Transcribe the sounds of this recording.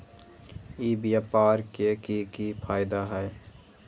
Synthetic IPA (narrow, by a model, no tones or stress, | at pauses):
iːbjaːpaːɾkekikipʰaːɪd̪aɦɛː